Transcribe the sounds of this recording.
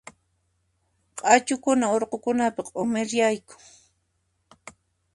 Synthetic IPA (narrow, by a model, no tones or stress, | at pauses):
qʼɑt͡ʃʊkʊnaoɾqokʊnapɑqʼomɪɾjajkʊ̥ŋ